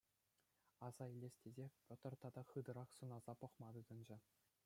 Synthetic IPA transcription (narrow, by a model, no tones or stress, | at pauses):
ɑz̥ɑilʲːesʲtʲezʲepʲot̪ɤ̆rt̪ɑd̪ɑχɯd̪ɤ̆ɾɑχsunɑz̥ɑpɤ̆χmɑd̪ɯd̪ɤ̆nd͡ʑɘ̆